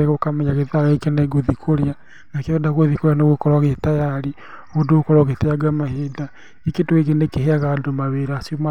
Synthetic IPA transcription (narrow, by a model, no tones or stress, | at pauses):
eɣokamɛɲaɣeðaɾaekɛnɛɡoðikʰoɾea | nakedaɣweðikoɾeanoɣokɔɾwaɣetajaɾi | odokɔɾɔɣeteaɡamaheda | eketweɣenekeɦeaɣaːdomaβeɾasoma